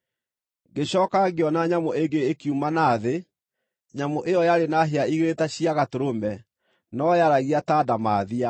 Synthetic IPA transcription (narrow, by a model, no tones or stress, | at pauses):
ɡeɕɔkaɡeɔnaɲamoeɡeːkiumanaðe | ɲamoʔejɔjaɾenaɦeaiɣeɾetaɕiaɣatoɾomɛ | nɔjaɾaɣiataːdamaðia